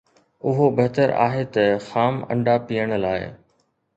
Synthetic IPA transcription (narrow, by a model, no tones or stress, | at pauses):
ʊɦobɐɦt̪əɾa̰ːɦet̪ɐxaːmɐ̰̃ɳɖapijəɽ̃laːɪ